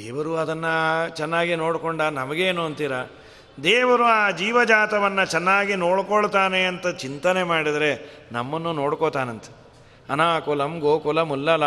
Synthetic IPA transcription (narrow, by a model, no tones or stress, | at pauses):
d̪ɛːʋɐɾuɐd̪ɐnːɐt͡ʃɛnːaːɡino̞ːɽkoɳɖɐnɐmɐɡeːnuɐnt̪iɾɐ | d̪eːʋɐɾuaːd͡ʒiːʋɐd͡ʒaːt̪ɐʋɐnːɐt͡ʃɛnːaːɡinoːɽkoɭt̪aːneɐnt̪ɐt͡ʃint̪ɐnemaːɽid̪ɐɾe̞nɐmːɐnːuno̞ːɽkot̪aːnɐnt̪ɐ̥ | ɐnaːkɔlɐmɡoːkɔlɐmulːɐla